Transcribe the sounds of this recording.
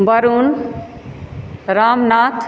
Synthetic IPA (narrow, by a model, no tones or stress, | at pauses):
bɐɾuːn | ɾaːmnaːt̪ʰ